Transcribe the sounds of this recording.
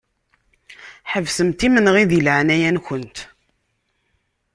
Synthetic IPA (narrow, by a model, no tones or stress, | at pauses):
ħəvsəmt̪imənʁiðilʕnæjænçənt̪